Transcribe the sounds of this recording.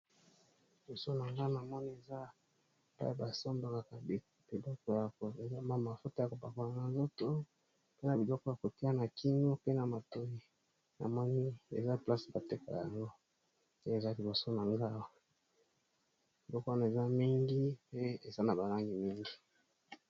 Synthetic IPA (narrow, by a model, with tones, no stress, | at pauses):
li˨bo˨so˦na˨ŋɡa˦˨na˨mɔ˦ni˦e˨za˦ | pa̰˦a˨ba˨so˦mba˨ŋa˨ka˨ | bi˨lɔ˦kɔ˦ja˨ko˨e˨za˦ma˦ma˨fo˦ta˦ja˨ko˨ba˨ko˨na˨na˨nzo˦to˦ | pe˦na˨bi˨lɔ˦kɔ˦ja˨ko˨ti˦a˦na˨ki˦nɡo˦pe˦na˨ma˨to˦ji˨ | na̰˨mɔ˦ni˦ḛ˨za˦pla˦sba˨te˦ka̰˨a̰˨ja˨ŋɡo˦ | e˨za˦li˨bo˨so˦na˨ŋɡa˦wa˨ | bi˨lɔ˦kɔ˦a˦na˨e˨za˦mi˦ŋɡi˦pe˦e˨za˦na˨ba˨la˦ŋɡi˨mi˦ŋɡi˦